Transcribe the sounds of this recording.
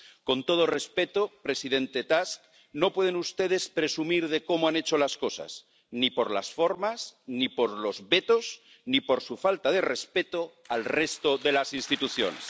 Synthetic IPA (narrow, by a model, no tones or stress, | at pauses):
ko̞nt̪o̞ð̞ore̞spe̞t̪opɾe̞siðe̞nt̪et̪ask | no̞pwe̞ð̞enust̪e̞ð̞e̞spɾe̞sumiɾðe̞ko̞moanet͡ʃo̞lasko̞sa̰s | nipo̞ɾla̰sfo̞ɾmasnipo̞ɾlo̞zβe̞t̪o̞z | nipo̞ɾsufalt̪aðe̞respe̞t̪o | alre̞st̪oðe̞lasinst̪it̪uθjo̞̰nḛs